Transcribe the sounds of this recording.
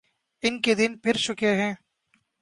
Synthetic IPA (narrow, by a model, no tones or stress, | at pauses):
ɪnked̪ɪnpʰɪɾʃʊkeɦɛ̃ː